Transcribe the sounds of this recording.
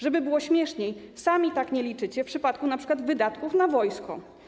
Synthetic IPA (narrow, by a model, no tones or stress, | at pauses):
ʐɛbɘbɘwɔɕmʲjɛʂɲejsamʲit̪akɲɛlʲit͡ʂɘt͡ɕɛfpʂɘpat̪̚kunapʂɘ̥kwad̪vɘd̪at̪kufnavɔjskɔ̰